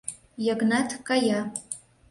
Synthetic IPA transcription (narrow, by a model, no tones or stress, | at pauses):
jaɡnatʰkʼaja